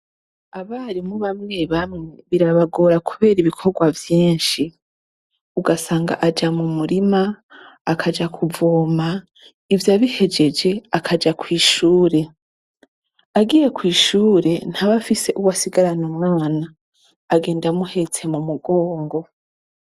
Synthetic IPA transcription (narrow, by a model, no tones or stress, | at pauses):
aβaɾimuβamŋe̞βamŋe̞βiɾaβaɡo̞ːɾakʰuβe̞ːɾiβikʰo̞ɾɡwavjiːnʃi | uɡasaːŋɡa̰ʔad͡ʒamumuɾimaː | kʰad͡ʒakʰuvoːma | ivjaβihe̞d͡ʒe̞d͡ʒe̞akʰad͡ʒakwiːʃuːɾe̞ | aɡije̞kwiːʃuːɾe̞n̥haβafise̞ʔuwasiɡaɾanomŋaːnaː | ɡeːndamuhe̞t͡se̞mumuɡo̞ːŋɡo̞